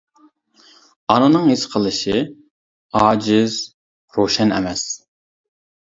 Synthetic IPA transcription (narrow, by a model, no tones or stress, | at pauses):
ɑnɨnɨŋɦesqʰəlˠɨʃɪ | ɑːd͡ʒɪz | ɾoʃɛnɛ̰mɛs